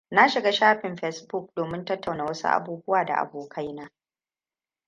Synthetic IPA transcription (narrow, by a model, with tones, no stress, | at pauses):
na˦ʃɪ˨ɡaː˦ʃaː˦ɸɪ˨mɸɛ˦sbʊ˦˨k̚doː˨mɪ˦ntɐ˦tʰːa˨wnaː˨wɐ˦sṵ˦ʔa̰˨buː˦bʊ˦waː˨da̰˨ʔa̰˨boː˨kʰa˦jnaː˦